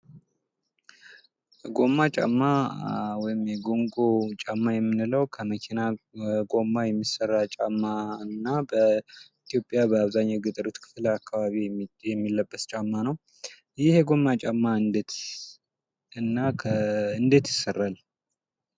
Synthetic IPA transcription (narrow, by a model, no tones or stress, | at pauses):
ɡo̞mːat͡ʃʼa̰mːawɔjɪmjɛɡo̞ŋɡo̞t͡ʃʼamːajɛmːɨnɨləwkʰəməkʰinaɡo̞mːajɛmːisːərːat͡ʃʼamːaɨnːabəit̪ʰijopʼjabəaβzaɲːaɡɨt̪ʼɨɾɨt̪kʰɨ̥fɨləakʰːaβaβijɛmːilːəbːəst͡ʃʼamːanəw | jɪheɡo̞mːat͡ʃʼamːaɨnd̪et̪ | ɨnːakʰəɨnd̪et̪jɪsːərːal